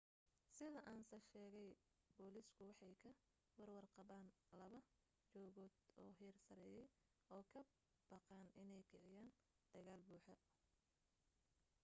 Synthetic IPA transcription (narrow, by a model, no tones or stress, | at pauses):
sɪðɐʔaːnsɐʃɛːɣɛj | bɔːliskʰʊwɑħɑjkʰɐ | wɑrwɐrqɑβaːn | lɐβɐ | t͡ʃɔːɣɔːd̪ɔːɦiːrsɐɾɛːjɛj | ɔːkʰɐ | b̥ɑqɑːnɪnɛjkʰɪʕɪjaːn | d̪̥ɐɣaːlbuːħɔ